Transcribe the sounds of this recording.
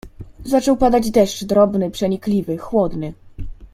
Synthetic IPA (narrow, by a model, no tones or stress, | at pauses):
zat͡ʂɛwpad̪ad͡ʑd̪ɛʂt͡ʂd̪ɾɔbnɘpʂɛɲiklʲivɘxwɔd̪nɘ